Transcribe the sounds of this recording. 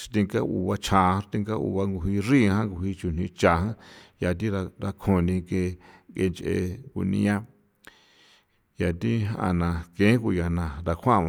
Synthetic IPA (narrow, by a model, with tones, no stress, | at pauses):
ʃt̪i˧ŋka˦ʔṵ˧˨βa˧t͡ʃʰã˨˧˦t̪ĩ˧ŋɡa˦ṵ˧βa˧ŋɡu˧˨ɦi˧ri˦hã˦ŋɡu˧˨hi˧t͡ʃu˨n̥ĩ˧t͡ʃa˨ɦã˦ja˨t̪̬i˦ɾa˧ɾa˧kʰo˧nĩ˧ke˧ɡe˧nt͡ʃʔḛ˧˨kṵ˧nḭ̃˧˦ã˦ | ja˨t̪i˦ɦa̰˧nã˨kẽ˨˦ku˧ja˨nã˨ɾa˧kʰʷã˦˨˧a˧